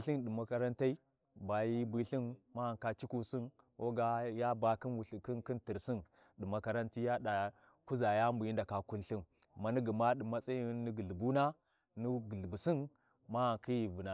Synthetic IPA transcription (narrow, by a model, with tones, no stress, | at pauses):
ɬi˦nɗi˨ma˨ka˦ɾa˦nta˦i˦ | ba˨ji˦bi˦ɬi˦nma˦a˨ka˦t͡ʃi˦ku˦si˦n | wo˦ɡa˦ja˦ba˨ki˦nwu˨ɬi˨ki˦nki˦nti˨ɾsi˦n | ɗi˨ma˨ka˦ɾa˦nti˦ja˦ɗa˨ | ku˦za˨ja˦mbu˨ji˦nda˨ka˨ku˦nɬi˦n | ma˨ni˦ɡə˨ma˦ɗi˨ma˦t͡sa˦ji˦ni˦ɡi˨ɮbu˦na˦ | ni˦ɡi˨ɮbu˨si˦n | ma˦a˨ŋki˦ji˨vu˨na˨